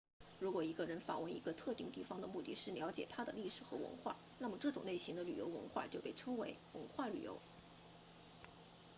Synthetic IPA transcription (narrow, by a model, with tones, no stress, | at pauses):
ɻu˧˥kwɔ˨˩i˧˥ɡə˧ɻə˧˥nfa̰˨˩wə˥˩nḭ˧˥ɡə˧t̪ʰɤ˥˧t̪i˥˧ŋt̪i˥˩fɑ˥ŋd̪ə˨mu˥˧t̪i˥˩ʂɻ̩˥˩ljɑ˧˥ʊt͡ɕjɛ˨˩t̪ʰa˥d̪ə˨li˥˩ʂɻ̩˨˩xɤ̰˧˥wə̰˧˥nxwa̰˥˩ | na˥˩mə˩ʈ͡ʂɤ˥˩ʈ͡ʂʊ˨˩ŋne˥˩ɪɕi˧˥ŋd̪ə˧ly˨˩jo̰˧˥ʊwə̰˧˥nxwa̰˥˧˩t͡ɕjo˥˧ʊpe˥˩ɪʈ͡ʂʰɤ˥ŋwe˧˥ɪwə̰˧˥nxwa˥˩ly̰˨˩jo̰˧˥ʊ